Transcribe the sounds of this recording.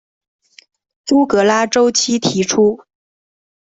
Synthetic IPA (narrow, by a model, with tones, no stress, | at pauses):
tu˥kɤ˧˥la˥ʈ͡ʂo˥ʊt͡ɕʰi˥t̪ʰi˧˥ʈ͡ʂʰu˥